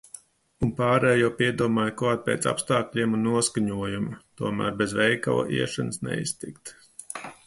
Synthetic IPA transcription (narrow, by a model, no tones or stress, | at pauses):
unpaːɾɛjjawpiɛd̪uɔmaːjkuaːt̪̚pḛːt̪sa̰pst̪aːkʎʲiɛmunːuɔskaɲuɔjumut̪uɔmæ̰ːɾbezvɛjka̰wa̰ʔḭɛʃansnɛ̰ḭst̪ikt̪